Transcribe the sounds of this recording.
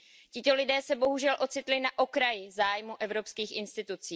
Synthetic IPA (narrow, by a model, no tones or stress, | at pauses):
cɪt̪o̞lɪdɛːsɛbo̞ɦuʒɛlʔo̞t͡sɪt̪lɪnaʔo̞kɾajɪzaːjmuʔɛvɾo̞pskiːxʔɪnst̪ɪt̪ut͡siː